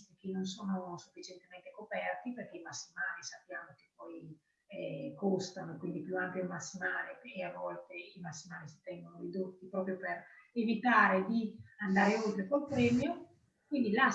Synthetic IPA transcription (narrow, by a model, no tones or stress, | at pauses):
t̪ikinːonsoːnosufːit͡ʃent̪emɛnt̪ekopɛrt̪iperk̟eimasːimaːlisapːjaːmok̟e̥pːɔj | ɛkost̪anokwind̪ipjuampjolmasːimaːleeavːɔlt̪eimasːimaːlisi̥t̪ɛŋɡonoɾid̪ot̪ːipɾɔːpɾjoperevit̪aːɾed̪iand̪aːɾeolt̪ɾekolpɾɛːmjo | kwind̪ila